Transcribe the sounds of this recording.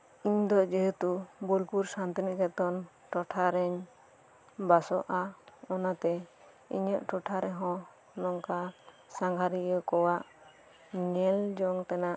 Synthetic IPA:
iɲd̪ɔd͡ʒəɦɛt̪ubɔlkuɾsant̪inɛʔkɛt̪ɔn | ʈɔʈʰaɾɛɲ | basɔʔaɔnat̪ɛ | ḭɲəʔʈɔʈʰaɾɛɦɔ̃ | nɔŋka | saŋɡʱaɾijəkɔwaʔ | ɲɛld͡ʒɔŋt̪anaʔ

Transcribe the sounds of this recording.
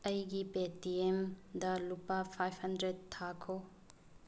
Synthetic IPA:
ɐjɡipetiemdɐlupːapʰajbhɐndɾed̚t̪ʰːakʰo

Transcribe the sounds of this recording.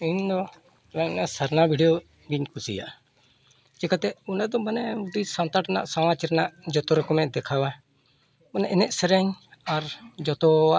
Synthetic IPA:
iɲd̪ɔ | laɲnasaɾnabʱiɖijɔ | ɡiɲkusḭja̰ʔ | t͡ʃɛkat̪ɛunad̪ɔmanɛud̪isant̪aʈnaʔsamat͡ʃɾɛnaʔd͡ʒɔt̪ɔɾɔkɔmɛʔd̪ɛkʰawa | ɔnɛʔɛnɛʔsɛɾɛɲaɾd͡ʒɔt̪ɔa

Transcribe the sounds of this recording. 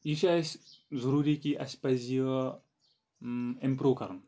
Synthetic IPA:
iʃaszɐɾuːɾikiʔɐspɐzijə | empɾoːkɐɾun

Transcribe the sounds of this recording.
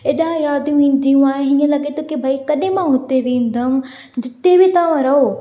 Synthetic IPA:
eːɗãjaːd̪ʱijũĩːnd̪ijũaːɦeɦĩːə̃lɐɠet̪ʰokebʱaikɐɗɪ̃mãɦʊt̪eʋẽːn̆d̪ʱəm | d͡ʑɪt̪ebɪt̪ɐʋãɾɐɦo

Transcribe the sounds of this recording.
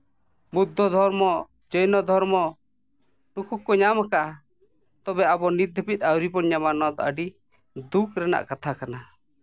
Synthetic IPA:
bud̪ʱːɔd̪ʱɔɾmɔ | d͡ʒɔjnɔd̪ʱɔɾmɔ | nukʰukːɔɲamakaʔa | t̪ɔbɛabɔnid̪ʱəpit̪̚ˀawɾipɔnɲamanad̪ɔʔaɖi | d̪ukʰɾɛna̰ʔkat̪ʰakana

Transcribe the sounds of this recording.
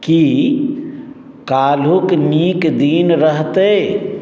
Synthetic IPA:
ki | kaːlukniːkd̪iːnɾəɦt̪e

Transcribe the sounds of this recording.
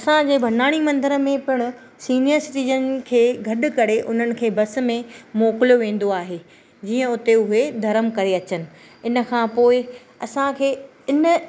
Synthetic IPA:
ɐsãd͡ʑeːbʱɐnaːɽ̃imɐ̃nd̪əɾəmẽpɪɽ̃ʊ̆ | siːniəɾsɪʈiːd͡ʑənɪ̆kʰeːɡʱɐɗʊ̆kɐɾeʔʊn̤ənɪ̆kʰeːbɐs̆mẽmoːkɪlijoʋẽːn̆d̪oaːɦe | d͡ʑiːə̃ʊt̪eʊɦed̪ʱɐɾəmkɐɾeɐt͡ɕənɪ̆ | ɪnə̆kʰãːpoːɪ | ɐsãkʰeː | ɪnə̆

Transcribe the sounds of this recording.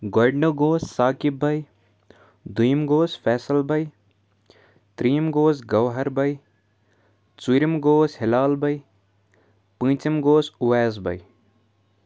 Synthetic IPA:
ɡoɖnoɡoːssaːkibɐj | d̪ʱujmɡoːsfɛːsəlbɐj | t̪ɾiːmɡoːsɡɐʋɦɐɾbɐj | t͡suɾimɡoːshɪlaːlbʱɐj | pɨ̃ːt͡ʃɐmɡoːsʊʋɛːzbʱɐ̰j

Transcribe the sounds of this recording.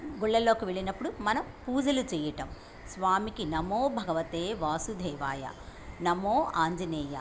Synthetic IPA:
ɡuɭːɐlːo̞ːkiʋeɭinɐpːuɽumɐnɐmpuːd͡ʒɐlut͡ʃɛːjɐʈɐm | sʋaːmikinɐmoːbʱɐɡɐʋɐt̪eːʋaːsud̪ʱɛːʋaːjɐ̰nɐmoːaːɲd͡ʒɐneːjɐ̰

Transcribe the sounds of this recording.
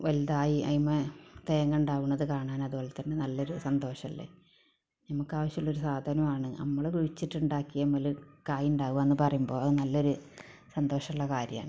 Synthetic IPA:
ʋɐliðaːjiɐ̰imːet̪eːŋɡɐɳɖaːʋunːɐðɨkaːɳaːnɐðuoːɭːet̪ːɐnːenɐlːo̞ɾusɐnd̪ʱo̞ːʂɐmilːḛ | nɐmukːaːʋɐɕjuɭːo̞ɾusaːd̪ʱaːnɐmaːɳɨnɐ̰mːɐɭkuɻit͡ɕːiʈːuɳɖaːkːijɐmːɐlukaːjuɳɖaːʋuʋɐenːɨpɐrɐjumbo̞ːɐðɨnɐlːo̞ɾu | sɐnd̪o̞ːʂɐmuɭːɐkaːɾjɐma̰ːɳɨ

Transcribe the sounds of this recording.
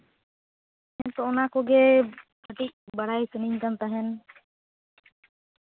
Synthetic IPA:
ɛnt̪ɔɔnakɔɡɛ | əʈic̚baɽajsəniɲkant̪aɦɛn

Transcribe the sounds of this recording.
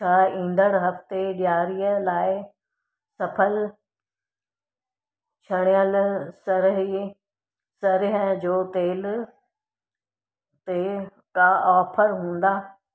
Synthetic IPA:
t͡ɕʰaːĩːn̆d̪əɽɦɐft̪eɗjaːɾijəlaːɪ | sɐpʰəl | t͡ɕʰɐɽ̃ɪjəlsɐɾɦi | sɐɾɪɦəd͡ʑoːt̪eːl | t̪e | kaɔːpʰəɾɦũːn̆d̪aː

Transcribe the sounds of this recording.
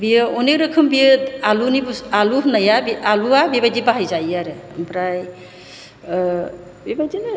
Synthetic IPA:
bijəɔnek̚ɾəkʰɯmbijəalunibusaluɦnajabialuabibajdibaɦajzajaɾɯmpɾaj | bibajdin

